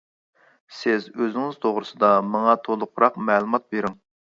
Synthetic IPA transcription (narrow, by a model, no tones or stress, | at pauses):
sɪzøzɪŋɪz̥t̪ʰoʁɾɨsɨd̪ɑmɑŋɑt̪ʰolˠʊqʰʊɾɑqmɛːlˠumɑt̪̚beɾɪŋ